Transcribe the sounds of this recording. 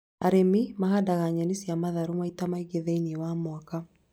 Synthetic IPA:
aɾemimahadaɣaɲanisiamaðaɾumaitamaiɡeðɛinɛwamwaka

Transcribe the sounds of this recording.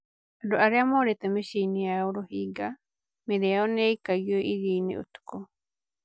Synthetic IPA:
adoaɾeamɔːɾetɛmeʃinijaoɾohiːɡa | meɾɛaɔnɛikaɣiɔʔiɣiːnḭo̰tu̥kɔ

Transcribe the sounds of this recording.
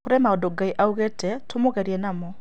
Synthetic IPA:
koɾɛmaɔdɔɡaiʔauɣɛtɛtʰomoɣɛɾiɛnamɔ

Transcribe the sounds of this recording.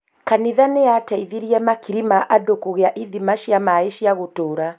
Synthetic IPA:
kaniðaneataiðiɾiɛmakiɾimaʔadokoɣeaʔiðimaʃiamaeʃiaɣotoːɾa

